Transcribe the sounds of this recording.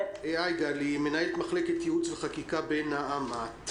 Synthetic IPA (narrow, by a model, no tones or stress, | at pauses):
eajɡalime̞naelt̪maχleket̪jeut͡sveχakikabenaamat̪